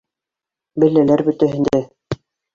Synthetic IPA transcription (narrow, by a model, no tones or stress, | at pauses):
bɘ̆lːælæɾbɵ̆t̪æɦɘ̆nd̪æ